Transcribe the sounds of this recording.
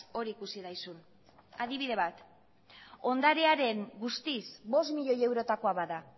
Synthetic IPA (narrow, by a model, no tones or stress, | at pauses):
o̞ɾiːkusiðajsun | aðiβ̞iðe̞βat̪ | o̞nd̪aɾeaɾe̞ŋɡust̪isbo̞smiʎo̞je̞wɾo̞t̪ako̞aβaða